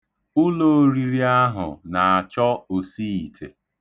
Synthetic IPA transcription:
ʊ˦lo˨˦ɾi˨ɾi˦a˦ɦʊ̰˨na˨a˨t͡ʃɔ˦o˨si˦i˨tʰḛ˨

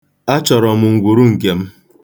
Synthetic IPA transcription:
a˦t͡ʃɔ˨ɾɔ˨mʊ˨ŋ̩˨ɡʷu˨ɾu˦ŋ̩˨ke˨m̩˦

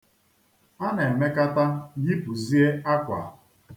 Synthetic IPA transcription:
a˦na˨e˨me˦ka˦ta˦ɣi˦pu˨zi˦e˦a˦kʷa̰˨

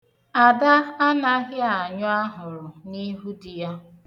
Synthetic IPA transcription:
a˨da˦a˦na˦ɣɪ˦a˨ɲʊ˦a˦ɦʊ˨ɾʊ˨ni˦ɦu˦di˨ja˦

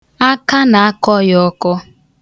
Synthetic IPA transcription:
a˦ka˦na˨a˦kɔ˦jɔ˦kɔ˦

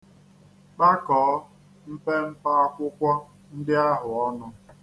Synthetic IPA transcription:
k͡pa˦kɔː˨˦ | m̩˦pe˦m̩˦pa˦ɔ˦kʷʊ˦kʷɔ˦ | n̩˦dɪ˦a˦ɦʊ˨ɔ˦nʊ˦

